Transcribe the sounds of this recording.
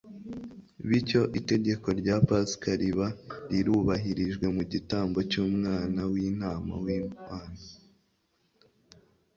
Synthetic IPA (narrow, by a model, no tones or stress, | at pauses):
βico̞ʔite̞ɟe̞ko̞ɾɟaːpaskaɾiβaɾiɾuβaɦiɾiʒɡwe̞muɟitaːmbo̞cuːmŋaːnawinaːma̰wiːaːna